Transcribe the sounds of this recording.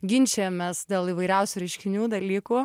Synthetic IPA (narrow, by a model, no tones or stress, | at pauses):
ɡʲɪnʲt͡ʃʲemʲesd̪ʲeːlˠiːʋɐɪɾʲɛʊsʲuːɾʲɛɪʃʲkʲɪnʲuːd̪ɐlʲiːkuː